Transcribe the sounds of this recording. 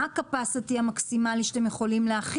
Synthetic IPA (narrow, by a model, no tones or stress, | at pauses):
akapasatiamaksimaliʃe̥temjeχo̞limleaχi